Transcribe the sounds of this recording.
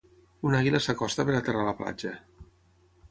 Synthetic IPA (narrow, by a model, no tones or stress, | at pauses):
unaɣiləsakɔst̪əpeɾat̪eraləpla̰d͡ʒə